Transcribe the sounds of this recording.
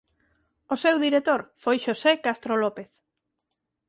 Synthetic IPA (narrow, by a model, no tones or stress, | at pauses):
osewðiɾet̪oɾfojʃosekast̪ɾolopeθ